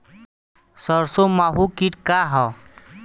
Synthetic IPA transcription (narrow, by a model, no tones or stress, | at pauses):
səɾsomaɦukiʈkaɦɔ